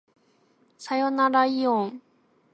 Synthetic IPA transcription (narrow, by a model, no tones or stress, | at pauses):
sajonaɾaiõŋ